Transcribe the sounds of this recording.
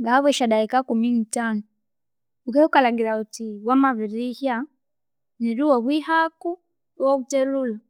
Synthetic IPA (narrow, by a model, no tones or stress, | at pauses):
ŋɡaβɛʃaɗaikakuminitanu | ukɛukalaŋɡiɾautiwamaβiɾihja | niɾuwaβwihaku | uwakutɛlula